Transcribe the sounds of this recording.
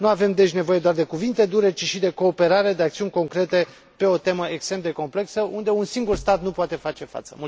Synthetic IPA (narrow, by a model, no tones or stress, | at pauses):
nuave̞md̪e̞t͡ʃʲne̞vo̞je̞d̪oard̪e̞kuvint̪e̞d̪uɾe̞t͡ʃiʃid̪e̞ko̞ːpe̞ɾaɾe̞d̪eak̚t̪siunʲko̞ŋkɾe̞t̪e̞ | pe̞o̞t̪e̞məʔekst̪ɾemd̪e̞ko̞mple̞ksəʔund̪e̞unsiŋɡurst̪at̪nupoat̪e̞fat͡ʃe̞fa̰t̪səmu